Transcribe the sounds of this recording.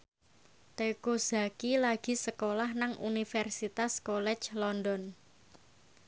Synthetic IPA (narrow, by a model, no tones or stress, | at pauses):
t̪ekuza̤kilaɡ̥i̤səkolahnaŋṵnifɛrsit̪askɔlɛ̥t͡ʃlɔndɔn